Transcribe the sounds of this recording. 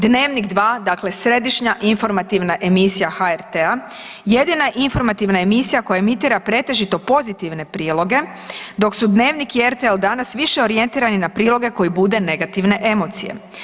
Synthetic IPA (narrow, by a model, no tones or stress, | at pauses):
d̪ne̞ːʋnikd̪ʋaːd̪akle̞sɾe̞d̪iʃɲaʔinfo̞ɾmat̪iʋnaʔe̞misijaxaeɾt̪ea | je̞d̪inaʔinfo̞ɾmat̪iʋnae̞misijako̞jaemit̪iːɾapɾe̞t̪e̞ʒit̪o̞po̞zit̪iʋne̞pɾiːlˠo̞ɡe̞ | d̪o̞ksud̪ne̞ːʋnikieɾt̪eeld̪anasʋiʃe̞o̞ɾije̞nt̪iːɾaninapɾiːlˠo̞ɡe̞ko̞jibud̪e̞ne̞ɡat̪iʋne̞ʔe̞mo̞t̪sije̞̰